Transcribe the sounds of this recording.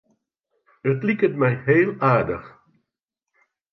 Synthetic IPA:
ətlikətmɛjɦeːlˠaːdəx

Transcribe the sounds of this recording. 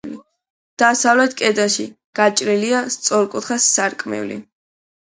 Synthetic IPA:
li | d̪̥asavlɛt̪ʰkʼɛd̪aʃi | ɡ̥at͡ʃʼɾiliast̪sʼɔɾkʼut̪ʰχasːaɾkʼmɛ̰vlḭ

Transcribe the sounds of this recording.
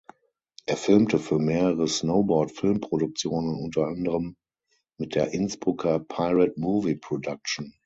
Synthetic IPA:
ʔeːɐfɪlmtəfyːɐmeːʁəʁəsnoʊbɔɐtfɪlmpʁ̥odʊk̚t͡sjoːnənʊntɐandəʁəmː | ɪt̚d̥eːɐʔɪnsb̥ʁʊkʰɐpʰaɪʁɛt̚muːvipʁ̥ɔdak̚t͡ʃn̩

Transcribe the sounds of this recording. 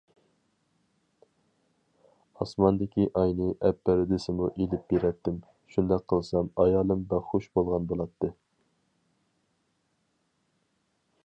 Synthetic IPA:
ɑsmɑnd̪ɪkʲiʔɑjnɨʔɛpːɛɾɪd̪ɪsɪmuʔelɪp̚beɾɛt̪ːɪm | ʃund̪ɛk̚qʰəlˠsɑmɑjɑːlˠɨmbæχoʃbolˠʁɑnbolˠɑt̪ːɨ

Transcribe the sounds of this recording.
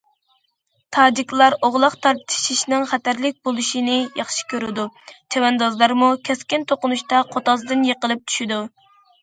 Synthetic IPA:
t̪ʰɑːd͡ʒikʲlˠɑɾoʁlˠɑqt̪ʰɑɾt̪ʰɨ̥ʃiʃnɪŋχæt̪æɾlɪk̚ʲbolˠuʃinɪjɑχʃi̥kʲøɾɪd̪ut͡ʃ̪ʰewɛnd̪ɑzlˠɑɾmukʲʰɛskʲɪnt̪ʰoqʊnuʃt̪ɑqʰot̪ɑzd̪ɨnjeqəlˠɨp̚t̪ʰy̥ʃid̪u

